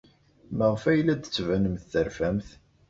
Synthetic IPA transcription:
məʁfæjlːæd̪ət͡sːvænəmθːəɾfæmθ

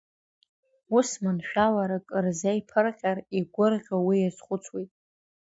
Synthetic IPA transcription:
usmɨnʃᶣalaɾakʼɨrzejpʰɨrqʲʼariɡʷʊrʁʲawijazχʷʊt͡sʰwejtʼ

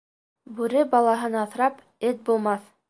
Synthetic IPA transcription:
bʉɾɘbɑlˠɑɦɤnɑθɾɑp | ɘt̪̚bulˠmɑθ

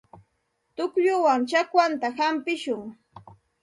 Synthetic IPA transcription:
t̪ʊkʎʊwaŋt͡ʃakwant̪ahampɪʃʊŋ

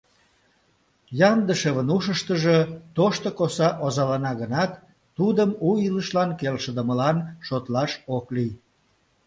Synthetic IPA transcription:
jɑnd̪əʃeβənuʃəʃt̪əʒət̪oʃt̪okosɑʔozɑlɑnɑɣənɑt̪ː | ud̪əmuiləʃlɑnkelʃəd̪əməlɑnʃot̪lɑʃoklij

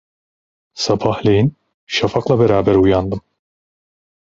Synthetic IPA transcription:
sabʰahlʲejin | ʃafaklˠabeɾaːbæɾujand̪ɯm

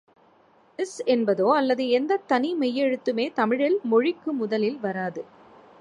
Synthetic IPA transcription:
ɪsɛnbɐðoːɐlːɐðɯɛnd̪ɐt̪ːɐnimɛjːɛɻɯt̪ːɯmeːt̪ɐmɪɻɪlmɔɻɪkːɯmʊðɐlɪlʋɐɾaːðɯ

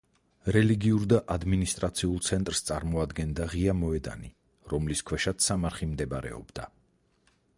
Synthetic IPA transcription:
ɾɛliɡiuɾd̪aʔad̪minist̪ʼɾat̪sʰiulˠt̪sʰɛnt̪ʼɾst̪sʼaɾmɔad̪ɡɛnd̪aʁiamɔɛd̪a̰ni | ɾɔmliskʰwɛʃat̪samaɾχimd̪ɛbaɾɛ̰ɔ̰bd̪a

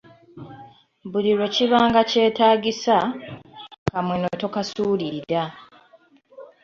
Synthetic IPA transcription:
buliɾo̞ciβaːŋɡace̞ːtaːɟisa | kamwenotokasuːlida

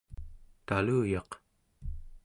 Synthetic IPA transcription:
t̪aluːjɑq

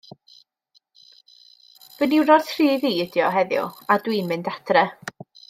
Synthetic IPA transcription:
v̥əniwɾɔrθʰriːviːdjɔɦɛðjʊ̰adwiːmɨndadrɛ

